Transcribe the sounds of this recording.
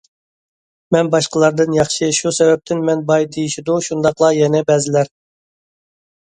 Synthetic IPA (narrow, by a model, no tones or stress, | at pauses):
mɛnbɑʃqəlˠɑɾd̪ɨnjɑχʃɨʃusɛvɛp̚t̪ʰɪnmɛnbɑjd̪ejiʃid̪uʃund̪ɑqlˠɑjɛnɛbɛzɪlæɾ